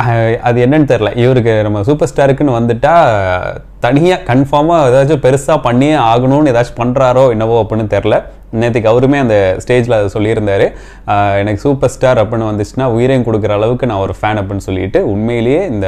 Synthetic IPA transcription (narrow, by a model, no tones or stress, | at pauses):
ɐðɯɛnːɐnːɯt̪ɛɾɪlɐʔɪʋɐɾɯk̬ːɯnɐmːɐs̬uːpɐɾsʈaːɾɯkːɯnɯʋɐnd̪ɯʈːaː | t̪ɐɳɪjaːkɐɳfaːmaːɛðaːt͡ʃːʊ̃pɛɾɯsaːpɐɳːijeaːɣɐɳʊ̃nɛðaːt͡ʃːɯ̥pɐɳɾaːɾoːɪnːɐʋoːɐpːɐɳːɯt̪ɛɾɪlɐ | neːt̪̬ːɪk̬ːɐʋɐɾɯmeːɐnd̪ɐsʈeːd͡ʒlɐðɯsɔlːɪɪɾɯnd̪aːɾɯ | ɛnɐkːɯ̥suːpɐɾsʈaːɾɐpːɐnːɯʋɐnd̪ɯt͡ʃːɯnaːʊjɪɾɐjnkɔɽɯkːɪɾɐːɭɐʋɯkːɯnãːɔɾɯfaːnɐp̬ːɐɳːɯsɔlːɪɪʈːɯʊɳmɐjɪlɐjeːɪnd̪ɐ